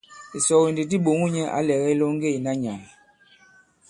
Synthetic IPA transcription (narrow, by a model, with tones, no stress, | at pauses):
i˨sɔ˨ɣi˨ndi˨t̬i˦ɓo˨ŋu˦ɲɛ˦ʔa̰˨˦lɛ˨ɣɛ˦i˦lo˦ŋ˦ɡe˦˨i˨na˦ɲa˨ŋ˨